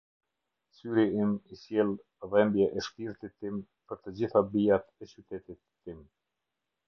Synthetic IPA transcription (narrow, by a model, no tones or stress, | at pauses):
syɾiimisjɛlˠ | vɛmbjɛʔɛʃk̪iɾt̪it̪ːim | pəɾt̪əd͡ʑiθabiat̪ɛt͡ɕyt̪ɛt̪it̪ːim